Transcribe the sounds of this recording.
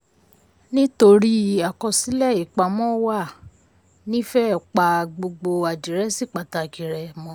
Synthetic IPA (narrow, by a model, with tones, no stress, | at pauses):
nĩ˦to˧ɾi˦a˨kɔ˧si˨˦lɛ˦˨i˨k͡pa˨˧mɔ̃˦wa˦˨ | nĩ˦fɛ˦˨k͡pa˨ɡ͡bo˧ɡ͡bo˧a˨d͡ʒi˨ɾɛ˦si˦˨k͡pa˨ta˧˨ki˨ɾɛ˨mɔ̃˧˦